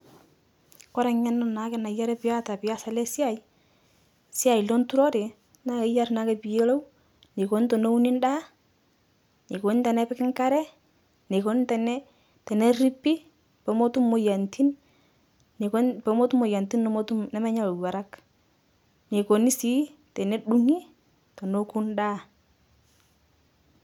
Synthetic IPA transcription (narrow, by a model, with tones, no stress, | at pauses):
kɔ˦ɾa˨ɲa˦nːɔ˦na˨˦kɛ˨na˨ja˦ɾɛ˦pɪja˦ta˨pɪja˦sa˨lɛ˦sja˨ji | sja˨jlo˦ntu˦ɾɔ˦ɾe˨ | na˦kɛ˨ja˦rna˦ke˨pi˨je˦lo˦w | ne˨ko˨ni˦to˨no˦u˦ni˦nda˦ | ne˨ko˨ni˦ntɛ˨nɛ˦pɪ˦kɪ˦ŋka˦ɾɛ˦ | ne˨ko˨˦ni˦ntɛ˨nɛ˦ | tɛ˨nɛ˦ri˦pːi˦ | pɛ˨mo˦tu˦mo˨ja˨ntʰi˦n˨ | kpɛ˨mo˦tu˦mo˨ja˨nti˦n˦m˦tu˦nɛ˨˦mɛ˦ɲa˦lu˨wa˨ɾa˦k | ne˨ko˨ni˦si˦tɛ˨ne˦ɗu˦ŋi˦ | to˨no˦ku˦ndaː˦